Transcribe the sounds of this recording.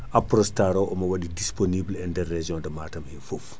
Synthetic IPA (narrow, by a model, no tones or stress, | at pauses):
ʔaprɔstaɾɔwʔɔmɐwɐɗidisponiːblɛndɛrːɛʒɔ̃ːdɐmaːtɐmhinfuf